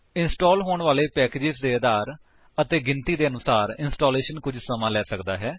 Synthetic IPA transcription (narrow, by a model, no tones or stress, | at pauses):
ɪnsʈoːlɦoːɳʋaːleːpɛːkeːd͡ʒɪzd̪eːd̪aːɾ | ət̪eːɡɪnt̪iːd̪eːənʊsaːɾɪnsʈoːleːʃənkʊd͡ʒsəmãːlɛːsəkd̪aːɦɛː